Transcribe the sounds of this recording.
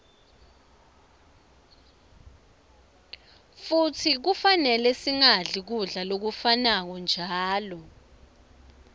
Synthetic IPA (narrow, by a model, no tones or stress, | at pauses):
futʰik̬ufanɛlɛsiŋaɮik̬uɮalok̬ufanak̬ɔnd͡ʒʱaːlɔ